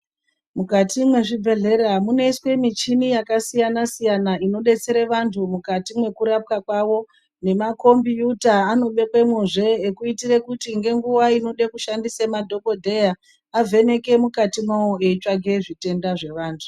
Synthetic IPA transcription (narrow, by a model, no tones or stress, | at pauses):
mukatimwe̞ʐibʱe̞ɮe̞ɾamune̞iswe̞mit͡ʃinijakasijanasijanaino̞ɗe̞t͡se̞ɾeʋantʰumukatimwe̞kuɾap̚kakwawo̞ | ne̞mako̞mbijutaːno̞ɓe̞kwe̞mwuʐe̞ːkuitire̞kutiŋɡe̞ŋɡuʋaino̞ɗekuʃandisemadʱo̞ko̞dʱe̞ja | avʱe̞ne̞ke̞mukatimaoeit͡ʃaɡʱeʐite̞ndaʐe̞ʋaːntʰu̥